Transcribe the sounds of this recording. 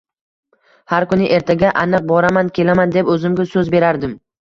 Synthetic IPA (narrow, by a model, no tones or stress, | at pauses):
haɾkʊnɪʔe̞ɾt̪ʰaɡʲaʔanɨq̚bɒɾamankʲʰe̞lamand̪e̞pɵzɪmɡʲasɵzbe̞ɾaɾd̪ɪm